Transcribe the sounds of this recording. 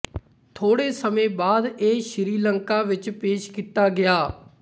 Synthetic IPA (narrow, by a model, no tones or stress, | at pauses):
t̪ʰoːɽeːsəmẽːbaːd̪eːʃɪɾiːləŋkaːʋɪt͡ʃpeːʃkiːt̪aːɡɪaː